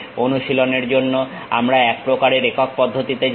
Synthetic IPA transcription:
onuʃiloneɾd͡ʑonːo | a̰mɾaɛk̚pɾokaɾeɾekok̚pɔd̪ʱːot̪it̪e

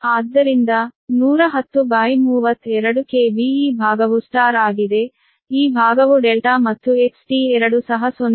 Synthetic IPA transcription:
aːd̪ːɐɾind̪ɐnuːɾɐɦɐt̪ːubaːjmuːʋɐt̪ːɛɾɐɽukeːʋiiːbʱaːɡɐʋusʈaːɾaːɡid̪e̞ | iːbʱaːɡɐʋuɖɛlʈaːmɐt̪ːueksʈiɛɾɐɽusɐɦɐson

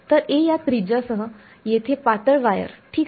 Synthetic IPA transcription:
t̪əɾejat̪ɾid͡ʑasəɦə | jet̪ʰepaʈəɭʋajə̰ɾʈʰiːk

